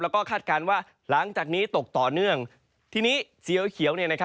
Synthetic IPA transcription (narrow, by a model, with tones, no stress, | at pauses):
lɛː˦˥wkɔː˥˩kʰaː˥˩t̪̚kaː˧nwaː˥˩ | la˩˦ŋt͡ɕaː˨˩k̚niː˦˥t̪o˨˩k̚t̪ɔː˨˩nɯ˥˩əŋ | t̪ʰiː˧˩niː˦˥t͡ɕi˧əwkʰi˨˦əwni˥˩ɐna˥kʰa˦˥